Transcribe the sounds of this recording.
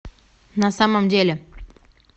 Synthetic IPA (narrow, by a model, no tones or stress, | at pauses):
nasaməmdʲelʲe